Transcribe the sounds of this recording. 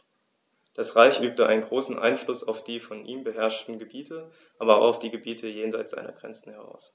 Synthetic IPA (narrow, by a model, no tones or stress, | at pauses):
d̥asʁaɪçʔyːp̚təʔa̰ɪnənɡʁoːsn̩ʔa̰ɪnflʊsa̰ʊfd̥iːfɔnʔiːmbəɦɛɐʃtn̩ɡəbiːtʰə | ʔaːbɐʊaʊfd̥iːɡəbiːtʰəjeːnzaɪtt͡sz̥aɪnɐ̰ɡ̥ʁɛ̰nt͡sn̩hɛʁa̰ʊs